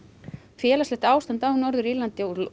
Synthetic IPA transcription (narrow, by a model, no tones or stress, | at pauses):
fjɛːlasɛht̪aːwst̪ant̪aːwnɔɾðʏɾiːlant̪ɪauɾl